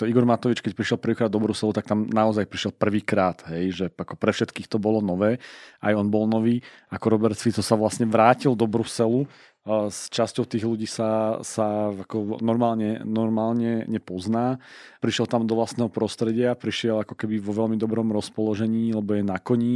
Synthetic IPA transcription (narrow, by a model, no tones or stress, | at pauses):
t̪ɔiɡɔɾmat̪ɔʋit͡ʃkɛc̚pɾiʃjɛlˠpr̩ʋiːkɾad̪ɔbɾusɛlut̪ak̚t̪amnaɔzajpɾiʃjɛlpr̩ʋiːkɾaːt̪ɦɛjʒɛakɔpɾɛfʃɛt̪kiːxt̪ɔbɔlɔnɔʋɛːajɔnbɔlnɔʋiːakɔɾɔbɛɾt̪sfit̪t͡sɔsaʋlasɲɛʋɾaːcild̪ɔbɾusɛlu | st͡ʃascɔʊt̪iːɣluɟiːsasaakɔnɔɾmaːlɲɛnɔɾmaːlɲɛɲɛpɔznaːpɾiʃjɛlˠt̪amd̪ɔʋlast̪nɛːɦɔpɾɔst̪ɾɛɟɪapɾiʃɪɛlakɔ̥kɛbiʋɔʋɛlmid̪ɔbɾɔmɾɔspɔlɔʒɛɲiːlɛbɔjɛnakɔɲi